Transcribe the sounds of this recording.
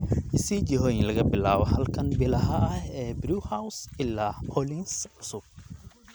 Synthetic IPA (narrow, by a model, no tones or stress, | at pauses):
ʔɪsid͡ʒɪɦɔːjɪnlɐɣɐbɪlaːwɐhɐlkʰɐnbɪlɐɦɐɐhɛːbɾuːhawsɪlːaːpʰɔlinsʕʊsʊb̚